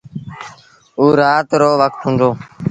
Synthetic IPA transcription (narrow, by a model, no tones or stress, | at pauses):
uːɾaːt̪ɾoːʋək̚t̪ɦũːnd̪oː